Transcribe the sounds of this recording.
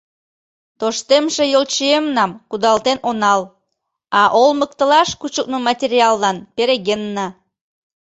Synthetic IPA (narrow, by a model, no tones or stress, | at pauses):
t̪oʃt̪emʃĕjolt͡ɕiemnɑmkud̪ɑlˠt̪enonɑl | ɑʔolmək̚t̪ə̆lɑʃkut͡ɕuk̚numɑtʲeɾʲiɑlˠːɑnpeɾeɣenːɑ